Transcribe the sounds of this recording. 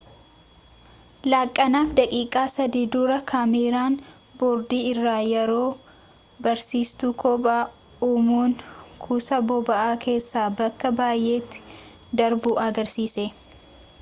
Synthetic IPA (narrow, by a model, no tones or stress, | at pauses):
laːkʼːɐnaːfd̪ɐkʼiːkʼaːsɐd̪iːd̪uːɾɐkʰaːmeːɾaːn | boːɾd̪iːɪrːaːjɛɾo̞ː | bɐɾsiːst̪ukʰɔpʼaː | uːmuːnkʰuːsɐbɔbɐʔaːkʰe̞ːsːaːbɐkːɐbaːjʔe̞ːt̪ːɪ̥ | d̪ɐɾbuʔɐɡɐɾsiːse